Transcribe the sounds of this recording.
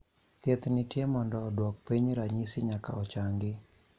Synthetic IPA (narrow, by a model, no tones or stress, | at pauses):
t̪jɛt̪nɪtjɛmɔndɔːdwɔk̚piɲɾaɲisɪɲaka̰ɔt͡ʃaŋɡɪ